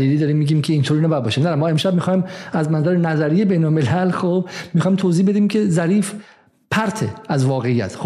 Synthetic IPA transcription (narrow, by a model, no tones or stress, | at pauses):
liːliːd̪ɒːɾiːmːiːɟiːmkʰeiːnt̪ʰoːɾinæbæd̪̚bɒːʃimnææmɒːemʃæbmixɒːimæznænzæɾenæzæɾiːjebejnolme̞lælxoːb̚mixɒːjimt̪ʰoːziːbe̞d̪iːmcʰezæɾiːf | pʰæɾt̪ʰḛæzvɒːɣejːæ̰t̪ʰx